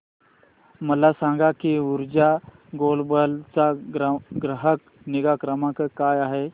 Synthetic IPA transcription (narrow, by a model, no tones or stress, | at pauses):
məlasãːŋɡakiʊɾd͡ʒa | ɡoːlbəlt͡saɡɾɡɾəɦək | nɪɡakɾəmãkəkaːjaːɦe